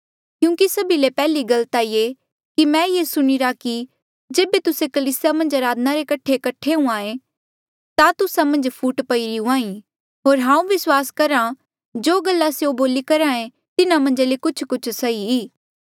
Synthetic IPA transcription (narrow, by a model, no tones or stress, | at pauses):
kjũːkisɐbilepɛːliɡɐlət̪aːiːe | kimɛ̃ːjesʊɽ̃iɾaki | d͡ʒeːbet̪ʊsekɐliːsɪjamɐ̃nd͡ʒɐɾaːd̪naɾekɐʈʰekɐʈʰeũaːẽ | t̪at̪ʊsamɐ̃nd͡ʒpʰuːʈpɐiɾiũaːĩ | ɦoːɾɦãːũʋɪswaːskɐɾã | d͡ʒoːɡɐlːaseoboːlikɐɾãːẽ | t̪ɪnamɐ̃nd͡ʒlekʊt͡ʃʰkʊt͡ʃʰsɐiiː